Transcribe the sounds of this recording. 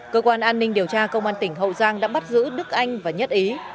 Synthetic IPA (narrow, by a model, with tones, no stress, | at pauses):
kəː˧kwaː˧nʔaː˧nːï˧ŋ̟ɗi˨˩əwt͡ɕaː˧kə˧wŋ͡mʔaː˧nt̪ï˧˩ŋ̟ɦə̰˧˨wzaː˧ŋɗa̰ː˧˥ɓa˦˥t̚zɨ̰˧˥ɗɨ˦˥k̚ʔa˧jŋ̟vaː˨˩ɲə˦˥t̚ʔi˨˦